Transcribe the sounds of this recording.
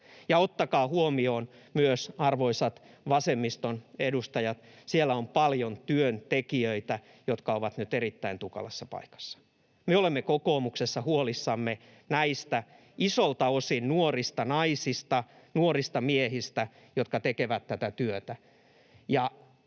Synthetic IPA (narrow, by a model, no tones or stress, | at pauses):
jɑot̪ːɑkɑːhuomioːn | myøsɑrʋoisɑt̪ | ʋɑsemːist̪onedust̪ɑjɑt̪ | sielːæompɑljont̪yønt̪ekiøit̪æ | jot̪kɑoʋɑt̪nyt̪erit̪ːæint̪ukɑ̰lesːɑpɑ̰ikɑ̥sːɑ̥ | meolemːekokoːmuksesːɑhuolisːɑmːe | næist̪æ | ʔisolt̪ɑosinnuorist̪ɑnɑisist̪ɑ | nuorist̪ɑmiehist̪æ | jot̪kɑt̪ekeʋæt̪tːæt̪æt̪yøt̪æ | jɑ